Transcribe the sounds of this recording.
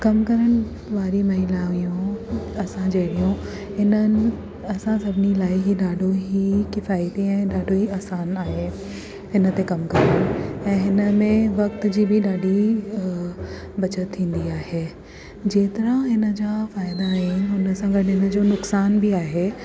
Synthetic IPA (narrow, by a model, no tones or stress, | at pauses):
kɐmkɐɾəɽ̃ɪ | ʋaːɾimɐɦilaːʋijũɐsãd͡ʑeːɽijũ | ɦɪnənɪ̆ | ɐsãsɐbʱɪnilaːɪɦiɗaːɖʱoɦikɪfaːjt̪ĩɛ̃ːɗaːɖʱoɦiaːsaːnaːɦe | ɦɪnə̆t̪ekɐmkɐɾəñɛ̃ːɦɪnə̆mẽʋɐk̚t̪d͡ʑiːbʱɪɗaːɖi | bɐt͡ɕət̪ʰːĩːn̆d̪iaːɦeː | d͡ʑeːt̪ɐɾãɦɪnə̆d͡ʑaːfaːɪd̪aɦenʊnəsãŋɡəʈɪnə̆d͡ʑoːnʊksaːnbʱiaːɦe